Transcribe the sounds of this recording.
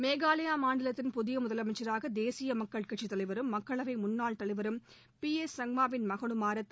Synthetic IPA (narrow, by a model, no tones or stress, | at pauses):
meːɣaːlɐjaːmaːɳɖɪlɐt̪ːɪnpʊðɪjɐmʊðɐlɐmɐɪt͡ʃːɐɾaːɣɐd̪eːsɪjɐmɐkːɐɭkɐʈʂit̪ːɐɭɐɪʋɐɾɯmːɐkːɐɭɐʋɐɪmʊnːaːɭt̪ɐɭɐɪʋɐɾɯm | piesɐŋmaːʋɪnmɐɣɐɳɯmaːɾɐt̪ː